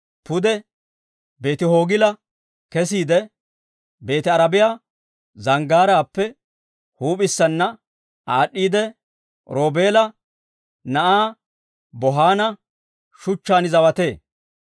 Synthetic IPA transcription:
pʊd̪ɛ | be̞ːt̪ɪɦo̞ːɡɪlɐ | kɛsiːd̪ɛ | be̞ːt̪ɪɐɾɐbɪjaː | zɐŋɡaːɾaːpːɛ | huːpɪsːɐnːɐ | aːɗːiːd̪ɛ | ɾoːbe̞ːlɐ | nɐʔaː | bɔɦaːnɐ | ʃʊt͡ʃːaːnɪzɐwɐt̪e̞ː

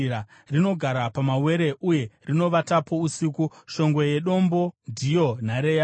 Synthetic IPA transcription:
a | rino̞ɡʱaɾapamawe̞ɾe̞ʔuje̞rino̞ʋatapo̞usikuʃo̞ŋɡwe̞je̞ɗo̞mbo̞ndʱijo̞n̤aɾeja

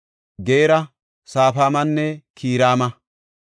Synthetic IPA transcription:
ɡeːɾɐ | saːfaːmɐnːɛkʰiːɾaːmɐ

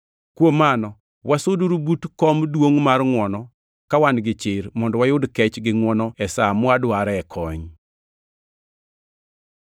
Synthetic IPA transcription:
kwomanɔ | wasʊduɾubutkɔmdwoŋmarŋwɔnɔ | kawanɡɪt͡ʃɪɾmɔndɔwajʊdkɛt͡ʃɡɪŋwɔnɔɛsamwadwaɾɛɛkʰɔɲ

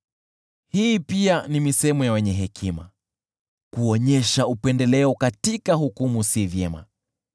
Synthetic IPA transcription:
hiːpianimisɛɛmujawɛɲɛɦɛkʰima̰ | kuɔɲɛʃaupɛndɛlɛɔkatikaɦukumusivjɛma̰

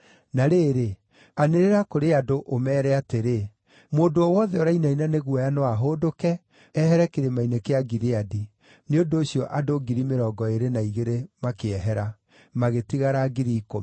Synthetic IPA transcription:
naɾeːɾe | aneɾeɾakoɾeadoʔomɛːɾɛateɾe | moːdoɔwɔðɛoɾainainaneɣwɔjanowaɦoːdokɛ | ɛɦɛɾɛkeɾemainekeaɡiɾeadi | neondoːɕiɔʔadoɡiɾimeɾɔːɡɔeɾenaiɣeɾemakeɛɦɛɾa | maɣetiɣaɾaɡiɾiko

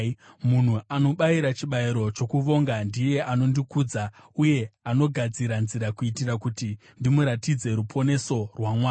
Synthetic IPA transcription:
mun̤uʔano̞ɓaiɾat͡ʃiɓaiɾo̞t͡ʃo̞kuʋo̞ŋɡandije̞ʔano̞ndikuːd͡za | uje̞ano̞ɡʱad͡ziɾanziɾakuitirakuti | ndimuɾatid͡ze̞ɾupʰo̞ne̞so̞rwamwaː

